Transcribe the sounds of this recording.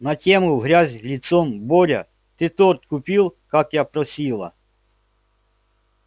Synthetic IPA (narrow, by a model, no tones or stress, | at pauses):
nɐtʲɛmʊwɦɾʲazʲlʲit̪sɔmbɔɾʲɐ̰ | t̪ɪt̪ɔrt̪kʊpʲilˠkɑkjapɾɔsʲilˠɐ̰